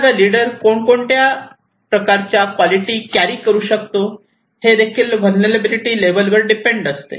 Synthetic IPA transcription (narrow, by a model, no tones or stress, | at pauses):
aɾaliɽəɾkoɳkoɳʈ̪ja | pɾəkaɾt͡ɕjakʋɔliʈiːkjaɾiːkəɾuːɕəkt̪o | hed̪ekʰiːlʋəlneɾebiliʈiːleʋəlʋəɾɖipeɳɖəst̪ḛ